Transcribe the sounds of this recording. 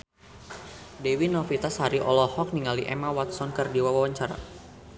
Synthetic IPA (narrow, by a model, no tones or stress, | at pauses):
dewinɔfit̪ashaɾiʔɔlɔhɔk̚niŋaliʔɛ̰mawat̪sɔnkɨrdiwawawaɲt͡ʃaɾa̰